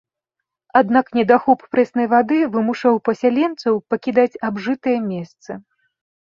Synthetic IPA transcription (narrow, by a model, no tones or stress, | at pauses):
ad̪naknʲɛd̪axɔppɾɛsnɐjvad̪ɨvɨmuʂawpɐsʲalʲɛnt̪sɐwpɐkʲid̪at͡sʲabʐɨt̪ɐjɛmʲɛst̪sɐ